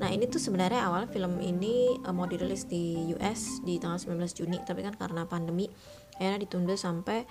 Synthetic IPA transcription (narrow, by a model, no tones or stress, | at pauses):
naɦinit̪usəbənarɲaawalɲafiləmḭniəmodɛrlɪsdijuʔɛsdit̪aŋɡalsəmbəlanbəlasd͡ʒunit̪apikanka̰ɾənapandəmi | ajarɲadit̪undʊlsampɛ